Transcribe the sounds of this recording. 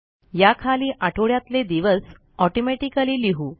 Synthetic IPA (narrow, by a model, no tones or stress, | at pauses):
jakʰaliːʔaʈʰoɭjat̪led̪iʋəs | ɔʈomeʈikaliːliɦu